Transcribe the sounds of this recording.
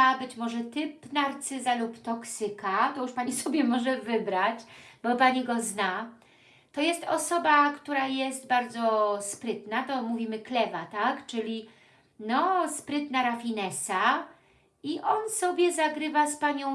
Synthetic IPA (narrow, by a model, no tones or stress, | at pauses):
abɘt͡ɕmɔʐɛt̪ɘpnaɾt̪sɘzalupt̪ɔksɘkat̪ɔjuʂpaɲisɔbʲjɛmɔʐɛvɘbɾat͡ɕb̥ɔpaɲiɡɔzna | t̪ɔjɛst̪ɔsɔbakt̪uɾajɛst̪̚baɾd̪zɔspɾɘt̪nat̪ɔmuvʲimɘklɛvat̪akt͡ʂɘlʲi | nɔspɾɘt̪naɾafʲinɛsa | iʔɔnsɔbʲjɛzaɡɾɘvaspaɲɔ̃